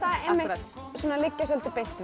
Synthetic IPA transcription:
aemɪsɔnalɪcːasœlt̪ɪpeht̪v

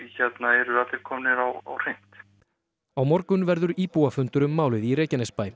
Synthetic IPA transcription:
çɛt̪naɛɾʏaːt̪lɪɾ̥kʰɔːmnɪɾawa̰wr̥ejn̥t̪ | awmɔɾkʏnvɛɾðʏɾiːpuafʏnt̪ʏɾʏmːaːwlɪðiɾeːjcanɛspaːj

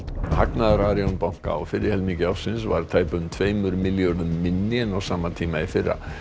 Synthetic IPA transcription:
haknaðaɾaɾjownpawŋ̥ka̰ɔ̰fɪɾɪɾ̥hɛlmiŋcɪawsɪns̬va̰ɾ̥t̪ʰaːjpʏʏmt̪ʰveːjmʏɾmɪljoɾðʏmːɪnːɪɛnawsaːmat̪ʰiːmaifɪrːa̰

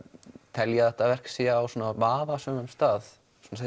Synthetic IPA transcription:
t̪ʰɛljɛθɛht̪avɛr̥ksiaawsuːnavaːvasœːmʏmst̪aːð | suːns

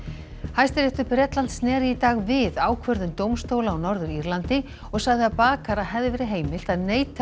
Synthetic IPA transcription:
hajst̪ɪɾɛht̪ʏhpɾɛt̪lant̪snɛːɾɪit̪aːɣvɪðaːwkʰvœɾðʏmt̪owmst̪oːwlaːwnɔɾðʏɾiɾlant̪ɪ | ɔɣsaɣðɪapaːkaɾaɦɛðɪvɛːɾɪɦeːjmɪl̥t̪aðneːjt̪

